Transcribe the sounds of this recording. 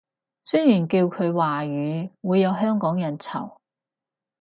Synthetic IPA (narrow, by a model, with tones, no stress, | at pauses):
sɵ˥jyː˨˩nkiː˧wkʰɵ˨˧ɥwaː˨˩ɥyː˨˧wuː˨˧jɐ˨˧wɦœː˥ŋkɔː˨˥ŋjɐ˨˩nt͡sʰɐ̰˨˩w